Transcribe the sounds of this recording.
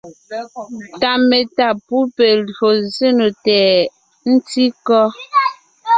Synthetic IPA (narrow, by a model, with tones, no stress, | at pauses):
ta˨me˨ta˦˨pu˦pe˨lɰo˨ze˦no˨tɛ˨ | n̩˦ti˦kɔ˦